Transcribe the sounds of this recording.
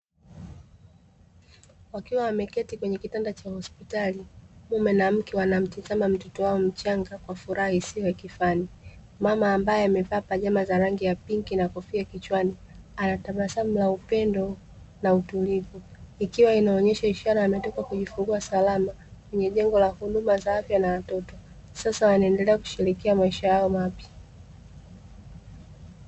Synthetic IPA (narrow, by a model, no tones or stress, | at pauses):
wakiwawamɛkɛtikwɛɲɛkitandat͡ʃahɔspitalimumɛnam̩kɛwanam̩tizamam̩tɔtɔwaɔm̩t͡ʃaŋɡakwafuɾʔahaisiɔjakifani | mamaːmbajɛamɛvapaʄamazaɾaŋɡijapiŋkinakɔfiakit͡ʃwanianatamasam̩laupɛndɔ | nautulivuikiwainaɔɲɛʃaiʃaɾaːmɛtɔkakuʄifuŋɡuasalama | kwɛɲɛʄɛŋɡɔlahuɗumazaafjanawatɔtɔ | sasawanaɛndɛlɛaku̥ʃiɾikiamaiʃajaɔmapja